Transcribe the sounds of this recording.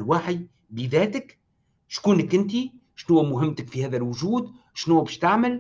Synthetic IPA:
lwaːħij | bəðæːt̪ək | ʃkuːnəkʔɪnt̪̬i | ʃnuwːæmʊɦɪmːt̪əkfihæːðælwʊʒuːd̪ | ʃnuːbɛːʃt̪aʕməl

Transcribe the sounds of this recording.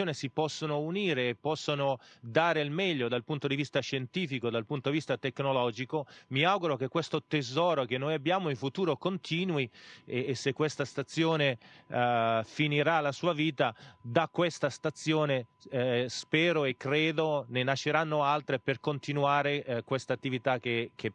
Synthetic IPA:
joːnesipɔsːonouniːɾeːpːɔsːonod̪aːɾeilmɛʎːod̪alpunt̪od̪ivist̪aʃːent̪iːfikod̪alpunt̪od̪ivist̪at̪ekːnolɔːd͡ʒikomiawɡuɾok̟ekːwest̪ot̪ezɔːɾok̟enːojabːjaːmoiɱfut̪uːɾokont̪ʰiːnwiː | sːekːwest̪ast̪at̪sːjoːne | finiɾalasuːaviːt̪ad̪akːwɛst̪ast̪at̪sːjoːne | spɛːɾoekːɾeːd̪onenat͡ʃːeɾanːoalt̪ɾeperkont̪inuaːɾekwest̪aːt̪ːivit̪ak̟ekʰe

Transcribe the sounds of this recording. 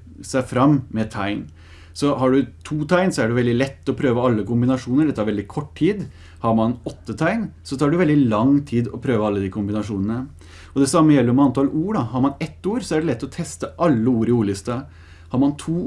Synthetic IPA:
sæɪfɾɑmːmɛt̪ʰæɪn | sɔhɑɖʉt̪ʰuːt̪ʰæɪnsɔæɖʉʋɛld̪ɪlɛt̪ːɔpʰɾøːʋəɑlːəkʊmbɪnɑʂuːnəɖɛt̪ːɑɾʋɛld̪ɪkʰɔʈːtʰiːd̪ | hɑɾmɑnɔt̪ːət̪ʰæɪnsɔt̪ʰɑːɖʉʋɛld̪ɪlɑŋt̪ʰiːd̪ɔpʰɾøːʋəɑlːəd̪ɪkʰʊmbɪnɑʂuːnənə | ɔd̪ɛsɑmːəjɛlːəɾmɛɑnt̪ʰɑluːɖɑɦɑɾmɑnɛt̪ːuːɾsɔæɖɛlɛt̪ːɔt̪ʰɛst̪əʔɑlːəuːɾɪuːɭɪst̪ɑ | hɑɾmɑnt̪ʰuː

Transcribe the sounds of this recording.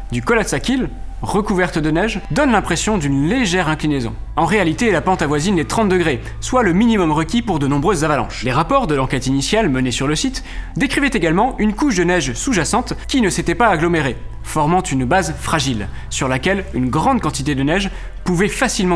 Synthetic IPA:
d̪ykɔlat̪sakʲilʁəkuvɛʁt̪d̪ənɛʒd̪ɔnlɛ̃pχesjɔ̃d̪ynleʒɛʁɛ̃klinezɔ̰̃ | ɑ̃ʁealit̪elapɑ̃t̪avwazinlet̪χɑ̃t̪̚d̪əɡʁe | swaləminimɔmʁəkʲipuʁd̪ənɔ̃bʁøzːavalɑ̰̃ʃleʁapɔʁd̪əlɑ̃kʲɛt̪inisjalmənesyʁləsit̪ | d̪ekχivɛt̪eɡalmɑ̃ynkuʃd̪ənɛʒsuʒasɑ̃t̪kʲinəset̪ɛpaːɡlɔmeʁe | fɔʁmɑ̃t̪ynbazfχaʒil | syʁlakʲɛlynɡʁɑ̃d̪̚kɑ̃t̪it̪ed̪ənɛʒ | puvɛfasilmɑ̃

